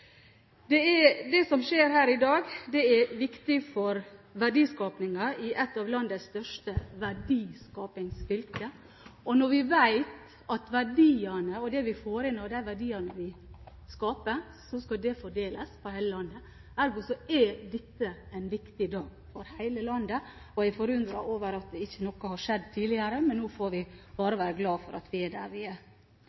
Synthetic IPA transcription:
d̪ɛɛd̪ɛsɔmʃeːɾhæːɾɪd̪ɑːɡd̪ɛɛʋɪkt̪ɪfɔɾʋæɖiːskɑːpnɪŋɑʔɪʔɛt̪ːɑːʋlɑnd̪əsst̪œʂʈəʋæɖiːskɑːpɪŋsfʏlkə | ʔɔnɔɾʋɪʋæɪt̪ | ɑt̪ʋæɖiːənəɔd̪ɛʋɪfoːɾɪnːɔd̪æɪʋæɖiːɑnəʋɪ | skɑːpəɾ | sɔskɑd̪ɛfɔɖeːləspʰɔhæɪləlɑnd̪ə | æɾɡusɔɛd̪ɛt̪ːəæɪnʋɪkt̪ɪd̪ɑːɡ | fɔɾhæɪləlɑnd̪ə | ɔæɪfɔɾʉnd̪ɾɑʔoːʋəɾɑt̪̚d̪ɛɪçːənɔkːəhɑʂɛd̪ːt̪ʰiːlɪəɾəmɛnːoːfoːɾʋɪb̥ɑːɾəʋæːɾəɡlɑːfɔɾɑ̰t̪ʋɪæɖæːɾʋɪæ

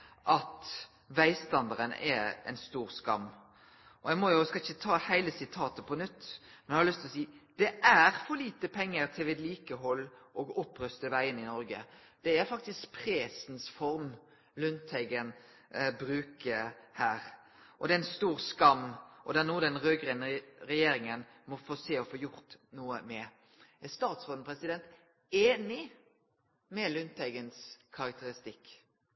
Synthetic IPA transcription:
ʔɑt̪ | ʋæɪst̪ɑnd̪ɑɾənɛ̰ɛ̰ɪnst̪uːɾskɑ̰mː | ʔɔjæɪmɔjʊskɑɪçːət̪ʰɑːhæɪləsɪt̪ʰɑːt̪əpʰɔnʉt̪ːmɛnjhɑɾlʏst̪ʰlɔsiːd̪̥ɛʔæɾfɔɾliːt̪əpʰɛŋːəɾt̪ʰɪlʋɛːd̪liːkəɦɔlːʔɔːɡɔpːɾœst̪əʋæɪənɪnɔɾɡə̰ | d̪̥ɛæɾfɑk̚t̪ɪskpʰɾeːsnsfɔɾm | lʉnt̪ʰhæɪɡən | bɾʉːkəhæːɾ | ʔɔd̪ɛæɪnst̪uːɾskɑmːʔɔd̪ɛnuːd̪ɛnʁøːɡʁɛnɾɛjeːɾɪŋən | mɔfoːseːɔfoːjʊɾt̪nuːəmɛ | æst̪ɑːt̪sʁoːd̪nəpʰɾɛsɪd̪ɛnt̪ | eːnɪ | mɛlʏnt̪ʰæɪɡənskʰɑɾɑkt̪əɾɪst̪ɪkː

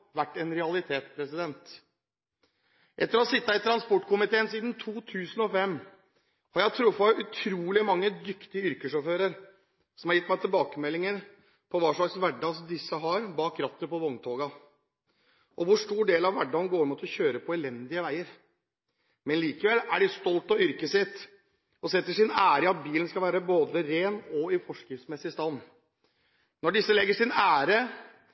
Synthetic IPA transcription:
ʋæʈːɛnɾɛɑlɪt̪ʰeːt̪pʰɾɛsɪd̪ɛnt̪ | ʔɛt̪ːəɾɔsɪt̪ːəɪt̪ʰɾɑnspɔʈːkʰʊmɪt̪ʰeːənsiːd̪nt̪ʰuːt̪ʰʉːsənɔfɛmː | hɑɾjæɪt̪ʰɾʊfːɑʉt̪ʰɾuːlɪmɑŋːəd̪ʏkt̪ɪəʏɾkəʂɔføːɾəɾ | sɔmhɑɾjɪt̪ːmæɪt̪ʰɪlbɑːkəmɛlːɪŋən | pʰɔʋɑːʂɭɑksʋæɖɑsd̪ɪsːəɦɑɾbɑːkɾɑt̪ːəpɔʋɔŋt̪ʰoːɡɑ | ʔɔʋʊʂʈuːɖeːlɑʋʋæɖːɑnɡoːɾmuːt̪ʰɔɕøːɾəpʰɔɛlɛnd̪ɪəʋæɪəɾ | mɛnliːkəʋɛlːæɖɪst̪ɔlt̪ɑʏɾkəsɪt̪ː | ɔsɛt̪ːəʂɪnæːɾəɪɑt̪̚biːlənskɑlʋæːɾəboːd̪əɾeːnɔɪfɔʂkɾɪft̪smɛsːɪst̪ɑnː | nɔɖɪsːəlɛɡːəʂɪnæːɾə

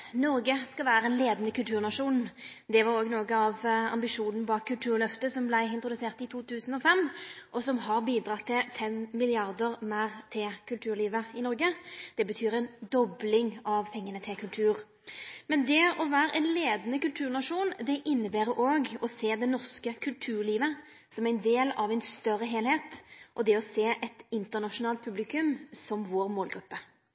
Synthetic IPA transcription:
nɔɾɡəskɑʋæːɾəɛɪnleːd̪nəkʉlt̪ʰʉːʁnɑʂuːnd̪ɛʋɑɾoːɡnoːɡəɑʋɑ̰mbɪʂuːnn̩bɑːkkʰːʉlt̪ʰʉːʁlœft̪əsɔmblæɪɪnt̪ɾʊd̪ʉseːʁt̪ɪt̪ʰuːt̪ʰʉːsn̩ɔfɛmːʔɔsɔmɦɑʁbiːd̪ɾɑt̪ʰːɪlfɛmːɪlɪɑʁd̪əʁmæːʁt̪ʰɪlkʰʉlt̪ʰʉːɾliːʋəɪnɔʁɡəd̪̥ɛbət̪ʰyːɾɛɪnd̪ɔblɪŋɑʋpʰɛŋːənət̪ʰɪlkʰʉlt̪ʰʉːʁ | mɛnd̪ɛɔʋæːɾʔɛɪnleːd̪ənəkʉlt̪ʰʉːʁnɑʂuːnd̪ɛʔɪnːəbæːɾəʔoːɡɔseːd̪ɛnɔʁskəkʰʉlt̪ʰʉːɾliːʋə | sɔmæɪnd̪eːlɑʋæɪnst̪œrːəɦeːlheːt̪ʔɔd̪ɛɔseːʔɛt̪ɪnt̪ənɑʂʊnɑːlt̪̚pʰʉblɪkʉmsɔmʋoːɾmoːlɡɾʉpːə

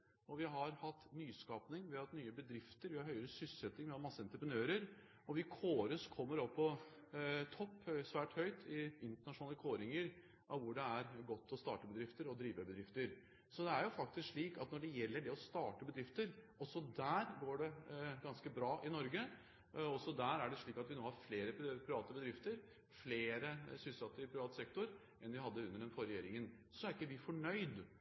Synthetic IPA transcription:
ɔʋɪɦɑɾhɑt̪ːnyːskɑːpnɪŋʋɛɑt̪nyːəbəd̪ɾɪft̪əɾʋɪhɑɾɦœʏəɾəsʏssɛt̪nɪŋmɛmɑsːəɛnt̪ɾəpɾənøːɾəɾ | ɔʋɪkʰoːɾəskʰɔmːəɾɔpːɔ | t̪ʰɔpːsʋæːʈhœʏt̪ʰɪɪnt̪əɳɑʂʊnɑːləkʰoːɾɪŋəɾ | ʔɑʋʋʊɖɛæɾɡɔt̪ʰːɔst̪ɑ̰ːʈəbəd̪ɾɪft̪əɾɔd̪ɾiːʋəbəd̪ɾɪft̪əɾ | sɔd̪ɛæɾjʊfɑk̚t̪ɪskʂɭiːkɑt̪nɔɖɛjɛlːəɖɛɔst̪ɑːʈəbəd̪ɾɪft̪əɾʔɔsɔd̪æːɾɡoːɖɛɡɑnskəbɾɑːʔɪnɔɾɡə | ɔsɔd̪æɾæɖɛʂɭiːkɑt̪ʋɪnoːhɑɾfleːɾəppʰɾɪʋɑːt̪əbəd̪ɾɪft̪əɾ | fleːɾəsʏsɑt̪ːəɾɪpʰɾɪʋɑːt̪sɛkt̪ʊɾ | ʔɛnʋɪhɑd̪ːəʉnːəɖɛnfɔɾɛjeːɾɪŋən | sɔæɾɪkːəʋɪfɔɳœʏd̪

